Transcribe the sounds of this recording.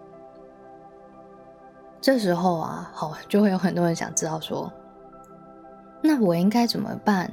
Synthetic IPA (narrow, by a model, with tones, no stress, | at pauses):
ʈ͡ʂɤ˥˩ʂ̬ɻ̩˧˥xo˥˩ʊa̰˨˩xɑ˨˩˦ʊt͡ɕjo˥˧ʊxwe˥˩jo˥xə˨˩nt̪wɔ˥ɻə˧˥nɕjɑ̰˨˩ŋʈ͡ʂɻ̩˥t̪ɑ˥˩ʊʂwɔ̰˥ | na˥˩wɔ˨˩i˥ŋka˥ɪt͡sə˨˩nmə̰˩pa˥˩˨n